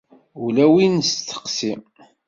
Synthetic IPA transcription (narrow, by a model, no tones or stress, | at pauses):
ulæwinst̪ːə̥qsim